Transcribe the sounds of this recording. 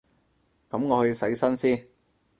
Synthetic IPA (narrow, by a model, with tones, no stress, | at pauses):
kɐ˨˥mŋɔː˨˧ɵ˧ji˧sɐ˨˥jsɐ˥nsiː˥n